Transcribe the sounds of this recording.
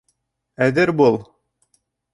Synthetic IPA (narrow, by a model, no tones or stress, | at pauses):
æðɘɾbulˠ